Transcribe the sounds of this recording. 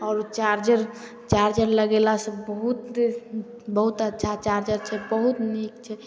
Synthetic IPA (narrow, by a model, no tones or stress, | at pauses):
ɔɾot͡ʃaɾd͡ʒəɾ | t͡ʃaɾd͡ʒəɾləɡelasə̃bəɦut̪ | bəɦut̪ətːʃʰat͡ʃaɾd͡ʒəɾt͡ʃʰɛbəɦut̪nikt͡ʃʰɛ